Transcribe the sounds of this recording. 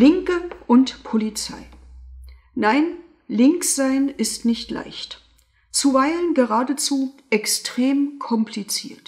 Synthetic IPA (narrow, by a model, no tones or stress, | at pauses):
lɪŋkəʔʊntpʰolit͡sa̰ɪ | naɪn | lɪŋkz̥aɪnɪstnɪçtlʔa̰ɪçt | t͡suvaɪlənɡəʁaːdət͡suːʔɛkstʁ̥eːmkʰɔmpʰlit͡siːɐt